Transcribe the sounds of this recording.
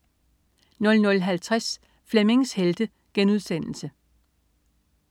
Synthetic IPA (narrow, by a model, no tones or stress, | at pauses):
nɔ̽lnɔ̽lɦælt͡sʰʁas | fleme̝ŋsheld̥ə | ɡ̥enuð̞ˠsen̰l̩sə